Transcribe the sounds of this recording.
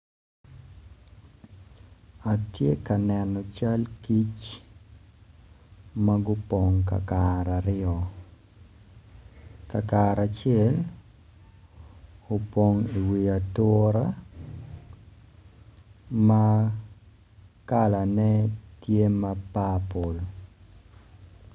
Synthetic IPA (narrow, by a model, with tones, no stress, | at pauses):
a˨tje˦ka˨nɛnɔ˨t͡ʃa˦lki˦t͡ʃ | ma˦ɡu˦poŋka̰˨kaɾa˨ɾɪɔ˨ | ka˨kaɾa˨t͡ʃɛ˦l | o˨po˨ŋi˨wi˨a˨tɔɾa˦ | ma˦ | kala˨nɛ˦tje˦ma˦papo˨l